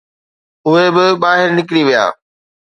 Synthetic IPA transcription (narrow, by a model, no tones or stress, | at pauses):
ʊɦebɪbaːɦɪɾnɪkɾiʋija̰ː